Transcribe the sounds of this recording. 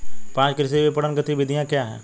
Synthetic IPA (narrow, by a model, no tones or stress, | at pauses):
pãːt͡ʃkɪɾɪseʋepɐɽənkət̪ibɪd̪ʱijãkjaːɦɛ̰̃ː